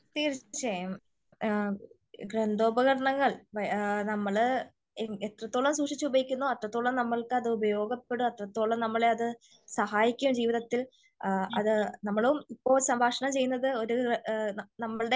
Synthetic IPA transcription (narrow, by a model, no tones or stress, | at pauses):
t̪iɣɐɾit͡ɕːt͡ɕejɐm | ɡɾend̪ʱo̞ːbɐɣɐɽɐɳɐŋːɐɭʋɐnɐmːɐɭ | et̪rɐt̪ːo̞ːɭːɐmsuːʂit͡ɕːɨubɐjikʲːunːoːɐt̪ːrɐt̪ːoːɭːɐnɐmːɐɭkɨɐðɨubɐjo̞ːɡɐpːe̞ɽumɐt̪rɐt̪ːoːɭːɐmnɐmːɐɭeɐðɨ | sɐhaːjikʲːumd͡ʑiːʋiðɐt̪ːil | ɐ̰ðɨnɐmːɐɭuumipːo̞ːɭsɐmbʱaːʂɐɳɐmt͡ɕe̞jːunːɐðɨo̞ɾu | nɐmːɐɭɨɽe